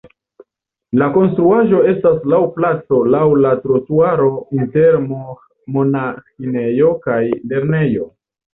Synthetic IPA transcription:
lako̞nstɾuaʒo̞e̞staslawplat͡so̞lawlatɾotuaɾo̞inteɾmo | mo̞naxine̞jo̞kajle̞ɾne̞jo̞

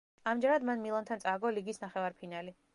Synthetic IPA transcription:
amd͡ʒɛɾad̪manmilˠɔnt̪ʰant̪sʼaɡɔliɡisnaχɛvaɾpʰinali

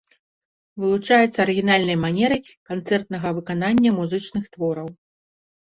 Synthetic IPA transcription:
vɨlˠut͡ʂajɛt̪sːɐɾɨɣʲinalʲnɐjmanʲɛɾɨj | kant̪sɛrt̪̚nɐɣɐvɨkananʲːɐmuzɨt͡ʂnɨxt̪vɔɾɐw

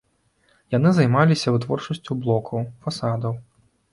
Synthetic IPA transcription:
janɨzajmalʲisʲɐvɨt̪vɔrt͡ʂɐsʲt͡sʲuwblˠɔkʰɐwfasad̪ɐw

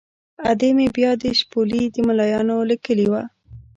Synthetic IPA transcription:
ad̪emebjɑd̪əʃpolid̪əmalɑjɑnolikəliwa

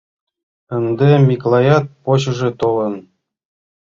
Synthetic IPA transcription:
ə̆nd̪ĕmʲiklˠɑjɑt̪̚poɕɤ̆ʐĕt̪olɤ̆n

